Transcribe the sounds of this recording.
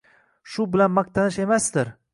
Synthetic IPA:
ʃʊbɪlanmɑq̚t̪ʰanɪʃe̞masd̪ɪɾ

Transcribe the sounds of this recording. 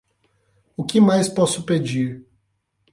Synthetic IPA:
ʊkɪmajspɔsʊped͡ʒiɾ

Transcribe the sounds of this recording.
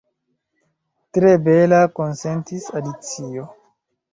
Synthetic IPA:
tɾe̞be̞lako̞nse̞ntisadit͡sio̞

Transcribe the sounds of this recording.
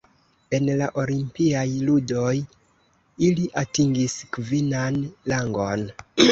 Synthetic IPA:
e̞nlaʔo̞limpiajludo̞j | iliʔatiŋɡiskvinanlaŋɡo̞n

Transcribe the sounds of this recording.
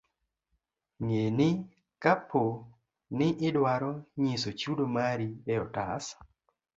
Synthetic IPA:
ŋenɪ | kapʰːo | nɪʔɪdwaɾɔɲɪsot͡ʃudomaɾiɛɔtas

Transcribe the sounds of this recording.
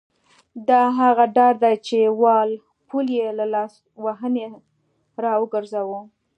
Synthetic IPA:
d̪ɑɦaɣaɖɑɾd̪at͡ʃewɑl | puljelalɑs | waɦəne | ɾɑwəɡəɾzawu

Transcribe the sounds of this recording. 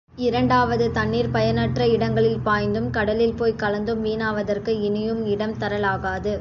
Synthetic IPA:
ɪɾɐɳɖaːʋɐðɯt̪ɐɳːiːɾpɐjɐnɐʈrɐɪɽɐŋɡɐɭɪlpaːjnd̪ɯmkɐɽɐlɪlpoːjkɐlɐnd̪ɯmʋiːnaːʋɐðɐrkɯɪnɪjɯmɪɽɐmt̪ɐɾɐlaːɣaːðɯ

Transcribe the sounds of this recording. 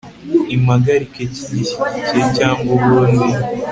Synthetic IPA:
imaɡaɾikeciɟii̥icecaːŋɡoβoːnde

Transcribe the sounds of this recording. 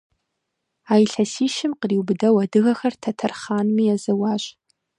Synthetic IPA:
aːjɬɐsiːʃɪmqəriwbɨdɐwɐdɨɣɐxɐrtʰɐtʰɐrχaːnmiːazɐwaːʒʼ

